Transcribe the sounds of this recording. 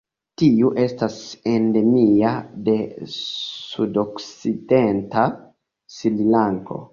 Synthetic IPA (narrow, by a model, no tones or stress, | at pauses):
tiuʔe̞stasende̞miade̞ | sudoksidenta | sililaŋko̰